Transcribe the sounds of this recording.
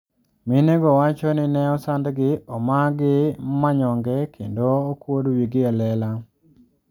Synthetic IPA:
mɪneɡɔwat͡ʃɔnɪnɛɔsandɡɪɔmaɡɪmaɲɔŋɡɛkʰendoːkwodwiɡɪalɛla

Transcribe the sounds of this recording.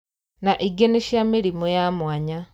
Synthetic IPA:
naʔiɡeniʃjamiɾimojamwaːɲa

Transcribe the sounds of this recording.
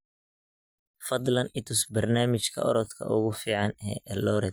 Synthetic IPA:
fɐd̪lɐnɪt̪ʰʊsbɐrnaːmɪt͡ʃkʰɐ̰ɔ̰ɾɔt̪kʰɐ̰ʔʊɣʊfiːʕɑnɛʔɛlɔːɾɛt̪̚

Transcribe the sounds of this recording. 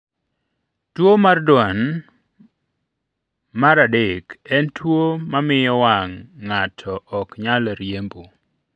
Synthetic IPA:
twomardwan | maɾadekɛntʰwomamɪjɔwaŋːatʰɔʔɔkɲalɾjembo

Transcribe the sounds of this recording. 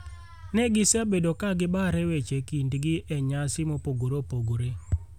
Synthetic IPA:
nɛɡɪsabedokaɡɪbaɾɛwet͡ʃekindɡɪʔɛɲasɪmopoɡoɾopoɡoɾe

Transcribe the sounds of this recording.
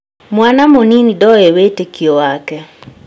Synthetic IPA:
mwanamoninidɔewetekiowakɛ

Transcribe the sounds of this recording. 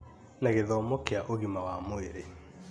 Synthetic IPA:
naɣeðɔmokeaʔoɣimawamoeɾe

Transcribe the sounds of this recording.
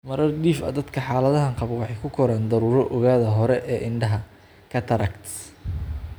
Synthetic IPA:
mɐɾɐrɖiːfɐ̰d̪ɐd̪kʰɐħaːlɐðɐɦɐŋqɑβwɑħɑjkʰʊkʰɔɾaːnd̪ɐɾuːɾɔʔɔɣaːðɐɦɔɾɛʔɛːʔɪɳɖɐɦɐ | kʰɐt̪ʰɐɾɐkt̪

